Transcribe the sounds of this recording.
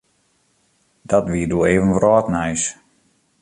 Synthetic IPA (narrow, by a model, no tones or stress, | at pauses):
d̥ɔtʋiːəduəeːvənʋrɔːtnɛjs